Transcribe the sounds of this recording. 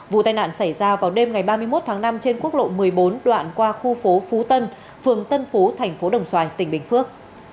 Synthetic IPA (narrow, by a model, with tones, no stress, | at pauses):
vṵ˧˨t̪aː˧jna̰ː˧˨nsa˧˩jzaː˧vaː˨˩wɗe˧mŋa˨˩jɓaː˧mɨ˧əjmo˦˥t̚t̪ʰaː˨˦ŋna˧mt͡ɕe˧nku˦˥ək̚lo̰˧˨mɨ˨˩əjɓo˨˦nɗwa̰ː˧˨nkwaː˧xu˧fo˨˦fu˨˦t̪ə˧n | fɨ˨˩əŋt̪ə˧nfu˨˦t̪ʰɛ˨˩jŋ̟fo˨˦ɗə˨˩wŋ͡mswaː˨˧˩jt̪ï˧˩ŋ̟ɓï˨˩ŋ̟fɨ˦˥ək̚